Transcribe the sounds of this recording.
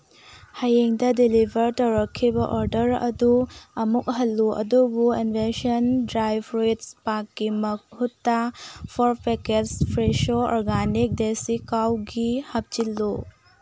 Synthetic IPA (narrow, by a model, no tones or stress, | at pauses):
hɐjeŋdɐdilibʱɐɾtɐwɾɐkʰːibɐʔoɾdɐɾɐ̰duɐmuk̚ɦɐlːuɐ̰dubuinbʱesɐndɾajbɾojtspakːimɐhutːapʰɔɾpeketspʰɾeʃoɔ̰ɾɡanik̚desikawɡihɐp̚t͡ʃilːu